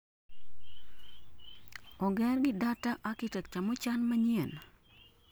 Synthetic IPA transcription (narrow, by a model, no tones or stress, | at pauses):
ɔɡɛɾɡɪdataʔakɪtɛk̚t͡ʃamot͡ʃanmaɲien